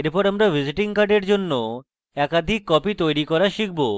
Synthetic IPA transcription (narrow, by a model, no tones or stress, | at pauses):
eɾpɔɾamɾabʱid͡ʑiʈiŋkaɖeɾd͡ʑonːo | ɛkad̪ʱikːɔpit̪ojɾikɔɾaʃik̚ʰbo